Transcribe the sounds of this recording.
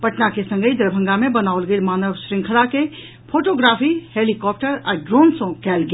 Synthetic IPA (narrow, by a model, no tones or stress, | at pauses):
pɐʈnakesɐ̃ŋɡəid̪ɐɾbʱə̃ŋɡamẽbɐnaːʊlɡelmaːnəʋʃɾɪ̃ŋkʰəlake | pʰoːʈoːɡɾaːfiheːlikɔːp̚ʈəɾɔɾɖɾoːnsõkɛːlɡ